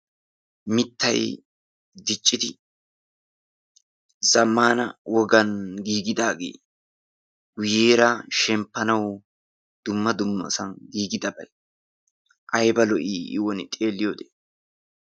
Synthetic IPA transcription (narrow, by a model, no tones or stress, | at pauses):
mɪt̪ːɐ̰j | d̪ɪt͡ʃʼːɪd̪ɪ | zɐmːaːnɐ̰wɔɡɐnɡiːɡɪd̪aːɡḛː | ɡʊjeːɾaʃɛmpːɐnɐw | d̪̥ʊmːɐd̪ʊmːɐ̰sɐnɡiːɡɪd̪ɐbɐ̰j | ʔɐjbɐlɔʔiːʔɪwɔnt̪ʼe̞ːlːɪjoːd̪eː